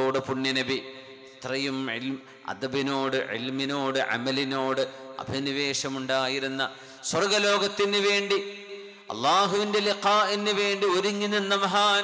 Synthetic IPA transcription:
oːɽɨpuɳːinɐbi | t̪rɐjumʕḭlm | ɐ̰d̪ɐbinoːɽɨʕḭlminoːɽɨʕɐ̰mɐlino̞ːɽɨɐ̰bʱɐniʋe̞ːʂɐmuɳɖaːjiɾunːɐ | swɐrɡɐlo̞ːɡɐt̪ːinːɨʋe̞ːɳɖi | ɐ̰lˠːaːɦuʋinde̞liqaːʔinːɨʋe̞ːɳɖioɾuŋːinɐnːɐmɐɦaː

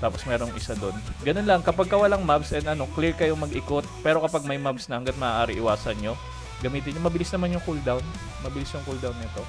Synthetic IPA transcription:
t̪aːpo̞smɛːɾoŋʔɪsad̪o̞nɡɐno̞nlɐŋkɐpaɡ̚kɐwɐlɐŋmabsʔɛnd̪ɐno̞kliɹkɐjomɐɡʔɪkot̪̚pɛːɾo̞kɐpaɡ̚mɐjmab̚snɐhɐŋɡɐt̪̚mɐʔaːʔaːɾɪʔɪwaːsɐnɲo̞ | ɡɐmiːt̪ɪnɲːomɐbɪlɪsnɐmanjʊŋkuld̪awn | mɐbɪlɪsjʊŋkuld̪awnːɪt̪o̞

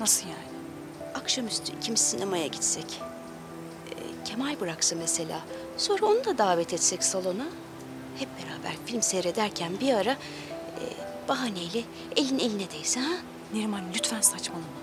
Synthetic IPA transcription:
nasɯjaːnɪ | akʃamyst̪ʰy̰cʰimsinʔemajaɟit̪sɛc | cʰe̞majbɯɾaksɯmɛse̞lʲa̰ː | so̞nɾao̞nud̪ad̪aːvɛt̪ʰɛt̪sɛcsalˠo̞na | hɛp̚b̥e̞ɾa̰ːbæ̰ɾfilʲmseɾe̞d̪æɾcʰænbiaɾa | ɛ̰ | b̥aɦanejlʲɛ | elʲine̞lʲinɛd̪ejsɛ | niɾmanlʲyt̪fænsat͡ʃmanɯ

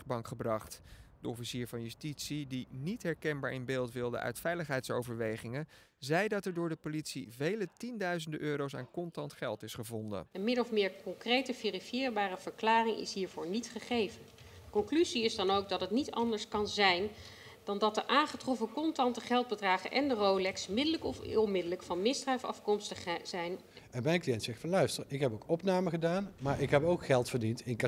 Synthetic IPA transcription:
bɑŋkχəbrɑχtd̥əɔfisiːɹvɑnjystitsidinitɦɛɹkɛnbaːɹɪnbeːlˠtʋɪlˠdə̰ʔœ̰ɥtfɛjləχɦɛjtsowvəɹʋejχɪŋə | zɛjdɑtɛɹdʊːɹdəpolitsivejlətindœɥzəndəʔøːɾowsa̰ːnkɔntɑntχɛlˠtɪsχəvɔndə̰ənmɪɾɔfmɪːɹkɔŋkrejtəverifjɪːɹbaːɾəv̥əɹklaːrɪŋʔɪ̰sɦiːɹvʊːɹnitχəχejvən | kɔŋklyziɪzdɑnowk̚dɑtɦətnitɑndəɹskɑnzɛjn | d̥ɑndɑtəʔaːnχətrɔfəkɔntɑntəχɛlˠd̚bədraːχəʔɛndərowlɛksmɪdələkɔfmɪdələkfɑnmɪsdrɛjfɑ̰fkɔmstəχzɛjn | ɛnmɛjnklijɛntsɛxtfɑnlœɥstəɹɪkɦɛpowkɔpnaːməχədaːnmaːɹɪkɦɛpowkχɛlˠtfəɹdintɪnk

